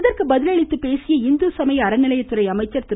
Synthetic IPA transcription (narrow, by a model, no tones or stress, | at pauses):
ðɐrkɯbɐðɪlɐɭɪt̪ːɯpeːsɪjɐɪnd̪ɯsɐmɐjɐɐɾɐnɪlɐjɐtt̪ːɯɾɐɪɐmɐɪt͡ʃːɐɾt̪ɪ